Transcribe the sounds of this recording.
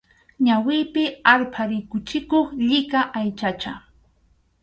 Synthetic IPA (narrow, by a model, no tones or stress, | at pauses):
ɲawɪːpɪaɾpʰaɾɪkʊt͡ʃɪkoχʎɪkaʔajt͡ʃat͡ʃa